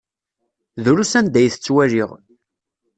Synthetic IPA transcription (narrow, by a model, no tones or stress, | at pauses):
ðɾusænd̪æjθə̥t͡sːwæʒiʁ